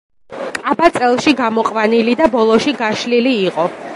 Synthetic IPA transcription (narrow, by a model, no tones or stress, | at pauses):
kʼabat̪sʼɛlˠʃiɡamɔqʼwanilid̪abɔlˠɔʃiɡaʃliliːqʼɔ